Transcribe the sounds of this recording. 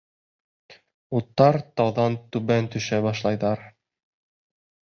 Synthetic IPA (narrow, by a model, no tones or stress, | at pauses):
ut̪ːɑɾt̪ɑwðɑnt̪ʉβænt̪ɵ̆ʃæbɑʃlˠɑjðɑɾ